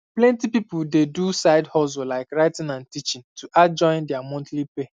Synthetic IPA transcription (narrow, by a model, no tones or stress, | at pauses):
plɛ̃ntipipʊldedusaɪdhɔzolaɪkɹaɪtɪ̃ŋãntit͡ʃɪ̃ŋtʰuʔad͡ʒɔ̃ɪ̃ndɛamɔ̃ntlipe